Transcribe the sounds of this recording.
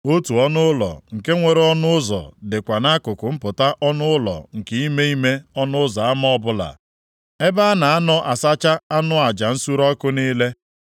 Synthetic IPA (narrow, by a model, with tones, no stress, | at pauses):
o˦tu˨ɔ˦nʊ˦lɔ̰˨ŋ̩˨ke˦ŋʷe˨ɾe˦ɔ˦nʊ˦ʊ˦zɔ̰˨dɪ˨kʷa˨na˦kʊ˨kʊ˨m̩˦pʊ˨ta˦ʔɔ˦nʊ˦lɔ̰˨ŋ̩˨ke˦i˦me˦i˦me˦ɔ˦nʊ˦ʊ˦zɔ˨a˦m˦ɔ˦bʊ˦la̰˨ | e˦ba˦na˨a˦nɔ˦ʔa˨sa˦t͡ʃa˦a˦nʊ˦a˨d͡ʒa˨n̩˦su˦ɾɔ˦kʊ˦niː˦le˦